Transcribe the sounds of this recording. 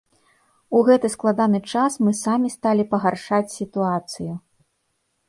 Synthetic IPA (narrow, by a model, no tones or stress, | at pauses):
uɣɛt̪ɨsklˠad̪anɨt͡ʂasmɨsamʲist̪alʲipɐɣarʂat͡sʲsʲit̪uat̪sɨju